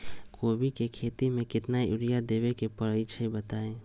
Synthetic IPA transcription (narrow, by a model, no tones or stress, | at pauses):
koːbikekʰeːt̪imẽkɪt̪naiʔʊɾɪjad̪eːʋekepəɾəit͡ʃʰəibət̪aːẽː